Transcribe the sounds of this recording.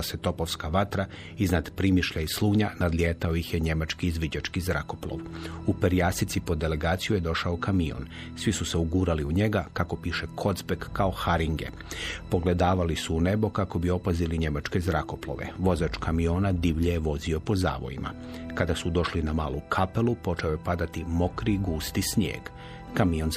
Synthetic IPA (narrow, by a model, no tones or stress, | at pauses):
set̪o̞po̞ʋskaʋat̪ɾa | iznad̪pɾimiʃʎaislˠuːɲanad̪lʲjeːt̪ao̞jixjeɲe̞mat͡ʃkiːzʋid͡ʑat͡ʃkizɾa̰ko̞plˠo̰ʋupe̞ɾjaːsit̪sipo̞d̪e̞le̞ɡaːt̪sijuje̞d̪o̞ʃaokamio̰n | sʋisuse̞uɡuːɾaliuɲe̞ɡakako̞piːʃekʰo̞d̪zbe̞kːaoxaɾiŋɡe̞̰ | po̞ɡle̞d̪aːʋalisuːne̞bo̞kako̞bio̞paziliɲe̞mat͡ʃke̞zɾako̞plo̰ʋe̞̰ʋo̞zat͡ʃkamio̞ːnad̪iʋʎeeʋo̞zio̞po̞za̰ːʋo̞̰jḭma̰ | kad̪asud̪o̞ʃlinamaːlˠukʰape̞lˠupo̞t͡ʃeojepad̪at̪imo̞kɾiɡuːst̪isɲjḛːɡ | kamio̞n